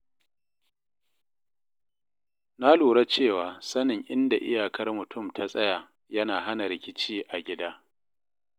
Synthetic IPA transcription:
na˦luː˨ɽa˦t͡ʃeː˦˨waː˨sɐ˦nɪ˨ŋʔɪ˦nda˨ʔɪ̰˦jaː˨kɐ˦rmʊ˨tʰʊ˦˨mtʰa˦sʼɐ˦jaː˨ | jɐ˦naː˨ɦa˦na˨ɾɪ˨kʲɪ˦t͡ʃiː˦ʔa˨ɡʲɪ˦daː˦

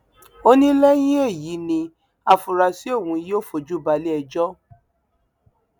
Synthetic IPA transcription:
o˦nĩ˦lɛ˦j̃ĩ˦e˦˨ji˨˦nĩ˧ | a˨fu˨ɾa˨si˦o˦˨wũ˧˦jo˦˨fo˨d͡ʒu˦ba˧le˦ɛ˧d͡ʒɔ˦

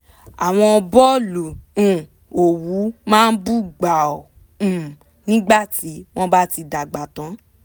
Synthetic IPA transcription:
a˨w̃ɔ̃˧bɔ˦lũ˨ | o˨wu˨˦mãː˦˧n̩˦bu˦ɡ͡ba˨ɔ̃˨ | nĩ˦ɡ͡ba˦˨ti˨˦w̃ɔ̃˦ba˦ti˧da˨ɡ͡ba˨tã˨˦

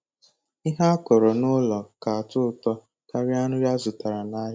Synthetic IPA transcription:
i˦ɦa˦a˦kɔ˨ɾɔ˨nʊ˦lɔ˨ka˨a˨tʊ˦˨tɔ˦ | ka˦ɾja˦nʊ˦ɾa˦zʊ˨ta˨ɾa˨na˦ɦa˦

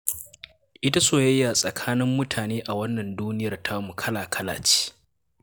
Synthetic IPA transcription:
ʔɪ˦ta˦soː˦˨jɐ˦jːa˨sʼɐ˨kʰaː˦nɪ˦mːʊ˦tʰaː˨neː˦ʔa˨wɐ˦nːɐ˨nduː˦nɪ˦jɐ˨rtʰa˦mu˨kʰɐ˦laː˨kʰɐ˦la̰ː˨t͡ʃi̥ː˦

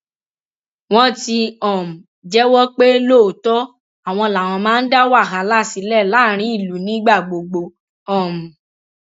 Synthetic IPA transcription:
w̃ɔ̃˦ti˧ɔ̃˨m̩˨ | d͡ʒɛ˦wɔ˦k͡pe˦lo˦˨tɔ˦ | a˦˨w̃ɔ̃˧la˨w̃ɔ̃˧mãː˦n̩˦da˦wa˦˨ɦa˨˦la˦˨si˨˦lɛ˦˨la˨˦ɾ̃ĩ˨˦i˦˨lu˨˦nĩ˦ɡ͡ba˦˨ɡ͡bo˨ɡ͡bo˧ | ɔ̃˨m̩˨

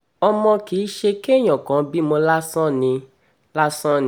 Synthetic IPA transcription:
ɔ˧mɔ̃˧ki˨˦ʃe˧ke˦ɲ̃ɔ̃˨kɔ̃˨˦bi˦mõ˧la˦sɔ̃˦nĩ˧ | la˦sɔ̃˦n˧

